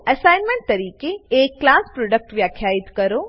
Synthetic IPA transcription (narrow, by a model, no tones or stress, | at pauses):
ɐsajnmẽɳʈ̚t̪ɐɾiːkeekkːlaːspɾoːɖək̚ʈʋjakʰjaːit̪kəɾo